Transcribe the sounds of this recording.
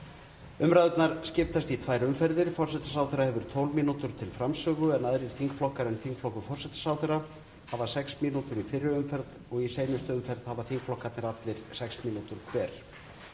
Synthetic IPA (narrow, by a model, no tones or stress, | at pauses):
ʏmɾajðʏt̪naɾ̥scɪft̪ast̪it̪ʰvaːjɾʏmfɛɾðɪɾ̥fɔr̥sɛt̪ḁsaːwθʏɾahɛvʏɾ̥t̪ʰowlminut̪ʏɾ̥t̪ʰɪlfɾamsœɣʏɛnaðɾɪɾ̥θiŋkflɔhkaɾɛnθiŋkflɔhkʏfɔrsɛt̪ḁsaːwθʏɾa | havḁsɛksmiːnut̪ʏɾifɪrːɪʏmfɛɾt̪ | ɔɣiseːjmʏst̪ʏʏmfɛɾð̥havaθiŋkflɔhkat̪nɪɾat̪lɪɾ̥sɛksmiːnut̪ʏɾ̥kʰvɛːɾ̥